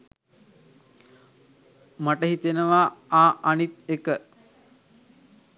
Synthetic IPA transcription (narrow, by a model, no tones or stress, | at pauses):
maʈəɦit̪enəʋaaːʔanit̪̚ekə